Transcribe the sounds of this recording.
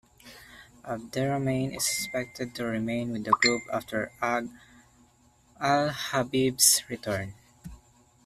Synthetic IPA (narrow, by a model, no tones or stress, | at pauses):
ʔʌvd̪ɛɹomẽɪ̃nɪ̰sɪkspɛk̚t̪ʰɛd̪̚tuɹɪmẽɪ̃nwɪd̪əɡɹupa̰ftʰəɹ | alhabibsɹit̪ʰəɹn